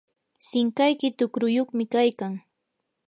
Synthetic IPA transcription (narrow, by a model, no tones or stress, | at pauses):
sɪŋkajkɪt̪ʊkɾʊjoχmɪkajkaŋ